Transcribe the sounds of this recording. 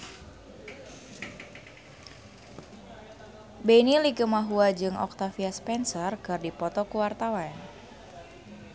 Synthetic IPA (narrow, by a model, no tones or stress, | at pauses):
benilikəmaɦuad͡ʒɨŋʔɔ̰k̚t̪afiaspɛnsərkɨrdipɔt̪ɔkuwart̪awan